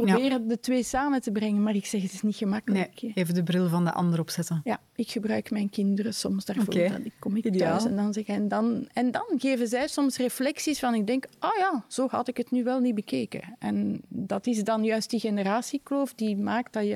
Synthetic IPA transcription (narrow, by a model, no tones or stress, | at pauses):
probɪːrədətweːsaːmətəbrɛŋənmaːrɪksɛxətɪsnixəmakələkːeːvədəbrɪlˠvɑndəʔɑ̰ndəɾɔpsɛtəja | ɪkxəbrœɥkmɛjnkɪndərəsɔmsdaːrvo̰dɪkːɔmɪkœsɛndɑnzɛxɛndɑnɛndɑnɣeːvənzɛjsɔmsreflɛksisfɑnɪɡ̚dɛŋkojaːz̥oːɦɑ̰tɪkətnyʋɛlˠnibəkeːkə̰ʔɛndɑtɪzdɑnjœɥst̚diɣenəraːsikloːfdimaːk̚t̚dɑjə